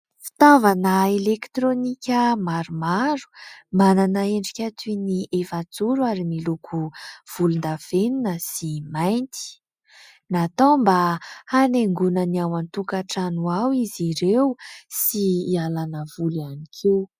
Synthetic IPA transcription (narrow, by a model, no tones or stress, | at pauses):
fi̥t̪avanəelekt̪ɾonikʲəmaɾumaɾu̥mananaeɳɖ͡ʐikʲat̪iniʔefat͡suɾuaɾimilukʰuv̥ulund̪av̥eninəsimajnt̪i̥ | nat̪ombahaneŋɡunəniawant̪ukaʈ͡ʂanuawiziɾewsiialanəvulanikʰew